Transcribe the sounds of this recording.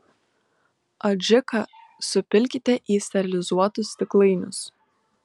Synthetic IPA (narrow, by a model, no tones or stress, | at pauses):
ɐd͡ʒʲɪkɐ | sʊpʲɪlʲkʲɪt̪ʲɛʔiːsʲt̪ʲɛɾʲɪlʲɪzuɔt̪ʊst̪ʲɪklˠɐɪnʲʊs